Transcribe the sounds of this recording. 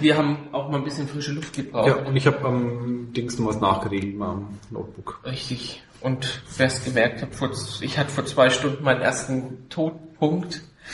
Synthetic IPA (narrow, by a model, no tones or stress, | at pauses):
viːɐhaːbm̩ʔaʊxmaːlnbɪsçənfʁ̥ɪʃəlʊftɡ̥əbʁaʊaʊntɪçhaːpɛmd̥ɪŋsnɔːmasna̰ːχɡ̥əʁeːɡl̩tmaɪmno̰ʊt̚b̥ʊkʁɪçtɪç | ʔʊntfɛɐst̚ɡ̥əmɛɐk̚thaːpfoːɐʔɪçhatə̥foːɐt͡sv̥aɪʃtʊndn̩maɪnənʔḛːɐstn̩tʰoːt̚pʰʊŋkt